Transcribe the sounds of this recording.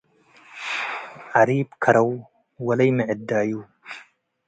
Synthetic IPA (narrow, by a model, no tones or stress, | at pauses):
ʕaɾiːbkʰɐɾɐw | wɐlɐjməʕɪd̪ːaːju